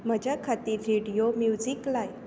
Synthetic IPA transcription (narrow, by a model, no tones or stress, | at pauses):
m̤əd͡ʑakʰat̪iːɾːeɽijomjud͡ziklaj